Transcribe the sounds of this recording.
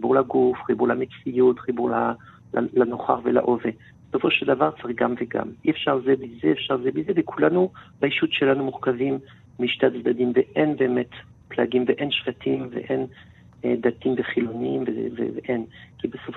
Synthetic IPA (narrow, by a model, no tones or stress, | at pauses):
ibuʁlaɡufχibuʁlamet͡sijut̪χibuʁla | lanoχa̰ʁvela̰ʔove | besofoʃeld̪avaʁt͡saʁiɡamveɡa̰miɛfʃaʁzeblizeːfʃaʁzeblizevekʰulanubaiʃut̪ʃelanumuʁkavimː | iʃtaat̪zd̪ad̪imveʔenbeːmɛt | plaɡimveʔenʃfat̪ʰimvḛʔen | d̪at̪imveχiloniimvevḛveʔenkibesof